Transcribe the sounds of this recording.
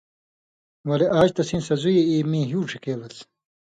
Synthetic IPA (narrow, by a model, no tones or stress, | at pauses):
wɐleʔaːd͡ʑt̪ɐsiːnsɐzujeiːmĩːɦjuːʈ͡ʂʰikeːlɐt͡s